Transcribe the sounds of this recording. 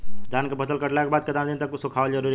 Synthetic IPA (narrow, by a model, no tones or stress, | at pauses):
d͡ʒankebʱət͡ʃəlkəʈlakebad̪̚ket̪and̪int̪əkːusukʰaəld͡ʒəɾuɾi